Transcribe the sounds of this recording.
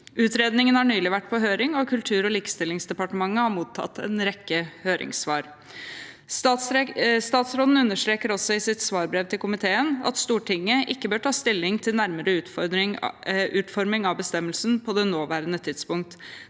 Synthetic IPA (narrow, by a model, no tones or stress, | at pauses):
ʉːt̪ɾeːd̪nɪŋənhɑɳyːlɪʋæʈːpʰɔɦøːɾɪŋɔkʰʉlt̪ʰʉːɾɔliːkst̪ɪlːɪŋsd̪ɛpɑʈəmɑŋːəhɑɾmuːt̪ʰːɑ̰t̪ːɛ̰nɾɛkːəhøːɾʔɪ̰ŋsʋɑːɾ | st̪ɑːt̪sɾɔd̪n̩ʉnːəʂʈɾeːkəɾɔsɔɪsɪt̪sʋɑːɾbɾɛʋt̪ʰɪlkʰʊmɪt̪ʰeːənɑ̰t̪st̪uːʈʰɪŋːəʔɪkːəbøːʈʰɑːst̪ɪlːɪŋt̪ʰɪlnæɾməɾəʉː | ʔʉːt̪fɔɾmɪŋɑʋbəst̪ɛmːəlsnpʰɔd̪ɛnoːʋæːɾənət̪ʰɪd̪spʊŋk̚t̪